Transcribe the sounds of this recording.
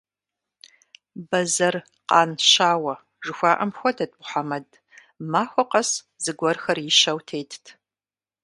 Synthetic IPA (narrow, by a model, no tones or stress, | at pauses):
bɐzɐr | qɑːnʃaːwɐ | ʒɨxʷaːʔɐmxʷɔdʰɐt̚ʼbʊħamɐd | maːxʷɔqɐs | zɨɡʷɔrxɐrjɪʃɐwtʰeːjtʰtʰ